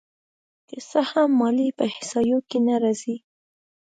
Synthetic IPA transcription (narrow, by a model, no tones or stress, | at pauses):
kəsahamːɑlipəhɪsɑjokenaɾɑzi